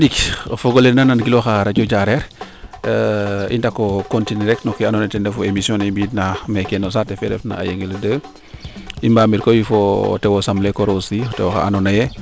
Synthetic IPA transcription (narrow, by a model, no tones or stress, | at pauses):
ɗikfoɡolenananɡiloxaɾaɟoɟaɾeɾ | ḭndakːokontiniɾɛknɔkːianɔnetɛndefuemisiɔ̃nimbijitnamekenos̬atefeɾɛ̰fna̰a̰jeŋɡələdə | imbaːmiɾkojifo̰tɛwosamlekoɾosiotɛwoxa̰ʔa̰nonaje